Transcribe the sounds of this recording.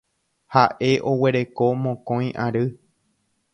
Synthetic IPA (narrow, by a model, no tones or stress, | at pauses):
haʔe̞ʔo̞we̞ɾe̞ko̞mõkõj̃ʔaɾɨ